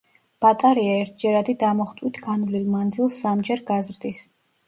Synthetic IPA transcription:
b̥at̪ʼaɾiaɛɾt̪ʰd͡ʒɛɾad̪id̪amɔχt̪ʼwit̪ʰɡ̥anvlilˠmand̪zilˠsːamd͡ʒɛɾɡazɾd̪is

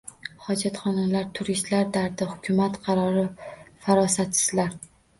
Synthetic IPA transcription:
hɒd͡ʒat̪χɒnalaɾt̪ʰʊɾist̪laɾd̪aɾd̪ɪhʊkʲʰʊmat̪qʰɑɾɒɾɪfaɾɒsat̪sɪ̥z̥laɾ

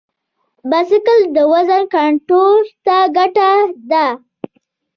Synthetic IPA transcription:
basɪkəld̪əwazankaɳʈoɾt̪aɡaʈad̪a

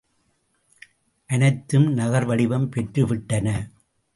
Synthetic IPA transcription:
ʔɐnɐɪt̪ːɯmnɐɣɐɾʋɐɽɪʋɐmpɛʈrɯʋɪʈːɐnɐ

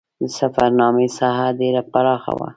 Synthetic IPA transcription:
d̪əsafaɾnɑməsaɦaɖeɾapaɾɑxa̰wa̰

